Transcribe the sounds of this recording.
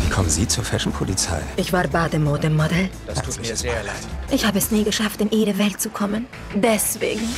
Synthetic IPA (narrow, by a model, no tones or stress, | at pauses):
viːkʰɔmənzḭːt͡suːɐfɛʃn̩pʰolit͡sa̰ɪʔɪçv̥aːɐbaːdəmoːdəmɔdɛld̥u̥ːseːɐlaɪtʔɪçhaːbəɛsniːɡəʃaftɪnʔeːdəvɛlt̚t͡sukʰɔmən | dɛsv̥ḛːɡŋ̩